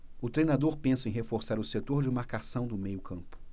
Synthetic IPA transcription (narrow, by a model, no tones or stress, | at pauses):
ʊt̪ɾejnad̪oɾpẽsɐẽj̃ɦefoɾsaɾʊset̪oɾd͡ʒɪmaɾkasɐ̃w̃d̪ʊmejʊkʰɐ̃mpʊ̥